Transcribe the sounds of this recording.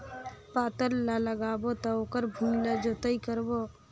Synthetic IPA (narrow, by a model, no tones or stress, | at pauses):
paːt̪əɾlaləɡaːbot̪ɔoːkəɾbʱulad͡ʒot̪əikəɾbo